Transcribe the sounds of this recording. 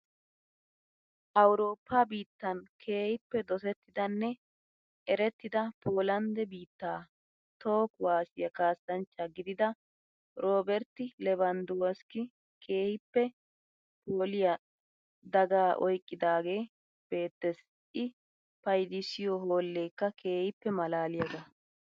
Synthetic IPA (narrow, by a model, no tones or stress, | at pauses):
ʔɐwɾo̞ːpʰːɐbiːt̪ːɐnkʰe̞ːhɪpːɛd̪ɔsɛt̪ːɪd̪ɐnːɛ | ɛɾɛt̪ːɪd̪ɐpoːlɐnd̪ɛbiːt̪ːaː | t̪o̞ːkwaːsɪjɐkaːsɐnt͡ʃːɐɡɪd̪ɪd̪ɐ | ɾo̞ːbɛɾt̪ɪlɛbɐnd̪owɐskɪ | kʰe̞ːhɪpːɛ | poːlɪjɐ | d̪ɐɡaːʔɔ̰jkʼːɪd̪aːɡe̞ː | b̥e̞ːt̪ːɛs | ʔɪ | pɐjd̪ɪsɪjɔɦoːlːeːkːɐkʰe̞ːhɪpːɛmɐlaːlɪjɐɡɐ